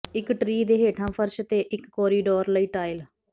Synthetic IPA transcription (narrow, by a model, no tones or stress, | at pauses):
ɪkʈɾiːd̪eːɦeːʈʰãːpʰəɾʃt̪eːʔɪkːɔːɾiːɖoːɾləiːʈaːɪl